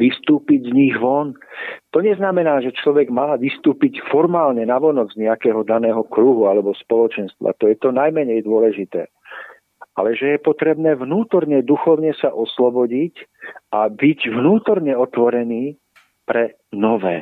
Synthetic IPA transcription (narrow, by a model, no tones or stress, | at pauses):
ʋist̪uːpiɟzɲiɣʋɔnt̪ɔɲɛznamɛnaːʒɛt͡ʃlɔʋɛɡmalaʋist̪uːpicfɔɾmaːlɲɛnaʋɔnɔd͡zzɲɛakɛːɦɔd̪anɛːɦɔkɾuɦualɛbɔspɔlɔt͡ʃɛnst̪ʋa̰t̪ɔjɛt̪ɔnajmɛɲɛjd̪ʊɔlɛʒit̪ɛ̰ː | ʔa̰lɛʒɛjɛpɔt̪ɾɛbnɛːʋnuːt̪ɔɾɲɛd̪uxɔʊɲɛsaʔɔslɔbɔɟicabiɟʋnuːt̪ɔɾɲɛɔt̪ʋɔɾɛniː | pɾɛ | nɔʋɛ̰ː